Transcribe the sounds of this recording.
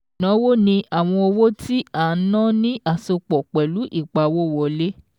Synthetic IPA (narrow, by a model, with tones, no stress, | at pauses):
nã˨˦wo˦nĩ˧ʔa˨w̃ɔ̃˧o˧wo˦ti˦a˨˦nã˦nĩ˦ʔa˦˨so˧k͡pɔ˨k͡pɛ˨lu˨˦ʔi˦˨k͡pa˨˦wo˦˨wɔ˨le˦